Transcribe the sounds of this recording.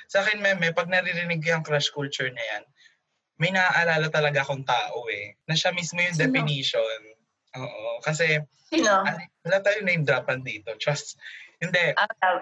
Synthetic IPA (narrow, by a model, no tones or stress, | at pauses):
saːkɛnmɛmɛpɐɡ̚nɐɾiɾɪnɪɡ̚koɐŋkɾaʃkult͡ʃʊɹɲɐja̰n | mɐjnɐʔaʔɐlaːlɐt̪ɐlɐɡaʔɐkoŋt̪aːʔoɛnɐʃamismo̞jʊŋd̪ɛfɪniːʃon | ʔoːʔokɐsɛ | noɐwɐlat̪aːjonɐjʊŋd̪ɾaːpɐnd̪iːt̪o̞t͡ʃɐst̪hɪnd̪ɛʔa